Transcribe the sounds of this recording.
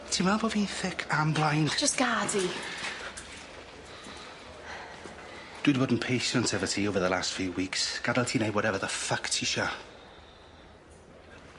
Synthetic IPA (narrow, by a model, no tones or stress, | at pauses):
tʰiːmɛlˠbɔːviθɪkʰamblˠajnd̥d͡ʒʌsɡ̥aːdi | d̥ɨdəbɔdn̩pʰejʃə̃ntʰɛvətʰiowvəðəla̰stfjuːwiːˑksɡ̥adəlˠtʰiːnajwɔɾɛvəðəfaktʰiʃa